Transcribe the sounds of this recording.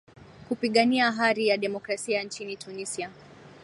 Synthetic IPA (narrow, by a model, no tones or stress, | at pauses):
kupiɠaniaɦaɾijaɗɛmɔkɾasiant͡ʃinitʰunisia